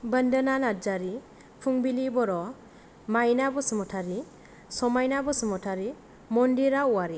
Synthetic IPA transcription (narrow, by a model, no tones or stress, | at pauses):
bəndənanad͡ʒaɾi | pʰuŋbilibɔɾɔ | majnabɔsɯmɔtʰaɾi | sɔmajnabɔsɯmɔtʰaɾi | mɔndiɾauwaɾi